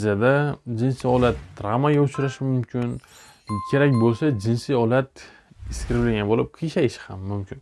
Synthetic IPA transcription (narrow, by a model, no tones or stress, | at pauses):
zijad̪ad͡ʒɪnsiɒlat̪ːɾamaɡʲaʊt͡ʃʰɾaʃɪmʊmkʲɪn | kʲʰe̞ɾakʲbolˠsad͡ʒɪnsɪɒlat̪ | ɪskʲɪɾɪblaɡʲanbolɪp̚kʰiʃaɪʃɪhamːʊmkʲʰɪn